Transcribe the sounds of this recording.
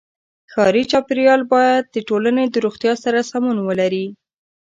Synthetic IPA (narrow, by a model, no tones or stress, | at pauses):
xɑɾit͡ʃɑpɪɾjɑlbɑjad̪̚d̪əʈolaned̪əɾoxt̪jɑsaɾasamunwəlaɾi